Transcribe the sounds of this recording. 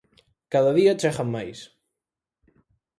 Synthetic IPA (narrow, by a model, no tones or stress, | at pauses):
kaðaðiat͡ʃɛχamːajs